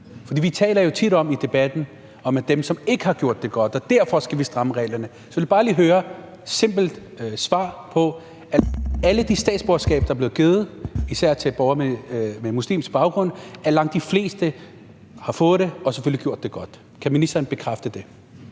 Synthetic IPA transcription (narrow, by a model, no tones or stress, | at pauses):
fɒd̥ḭːʋit͡sʰɛ̰ːlɐjo̝t͡sʰid̥ɒ̽mid̥e̝b̥æd̥n̩ | ɒ̽md̥emsɒ̽me̝ɡ̥əhɑ̈ɡ̥jo̝ɐ̰d̥ːe̝ɡ̥ɒ̽d̥ɒ̽d̥æɐ̰fɒ̽sɡ̥æʋisd̥ʁɑ̈məʁɛ̰ːlɐnə | sɒ̽ʋeljib̥ɑ̈ːlḭːɦøːɐ | se̝m̰b̥l̩d̥sʋɑ̰̈ːpʰɒ̽ | ææləd̥isd̥ɛ̰ːd̥sb̥oɐ̥sɡ̥ɛ̰ːb̥d̥ɑæɐb̥le̝ːð̩ɡ̥e̝ːð̩ˠisæɐ̰t͡sʰe̝lb̥ɒʊɐmememuslḭːmsɡ̥̚b̥ɑ̈ʊɡ̥ʁɔ̽n̰æɐlɑ̈ŋ̰d̥ifle̝̰ːsd̥ə | hɑ̈fɔ̽ːð̩ˠd̥eɒ̽seføliɡjo̝ɐ̰d̥ːe̝ɡ̥ɒ̽d̥ | kʰæminisd̥ɐːnb̥e̝kʰʁafd̥əd̥e̝